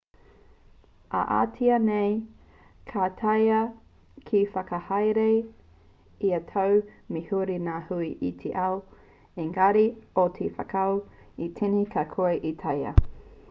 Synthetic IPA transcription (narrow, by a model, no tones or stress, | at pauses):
ʔɐ̰ʔa̰ːtʰiɐnej | kʰatʰɐjɐ | kʰifɐkɐhɐjɾe | iɐtʰawmihuɾinaːhuiʔit̪ʰeʔaw | iŋɐɾiotʰefɐ̰kʰɐwitʰinikʰakʰoɐʔitʰɐjɐ̰